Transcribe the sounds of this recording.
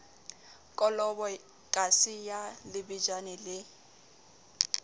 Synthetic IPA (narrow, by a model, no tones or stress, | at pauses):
kʼɔlɔbɔ | kʼasɪjalɪbid͡ʒanɛlɪ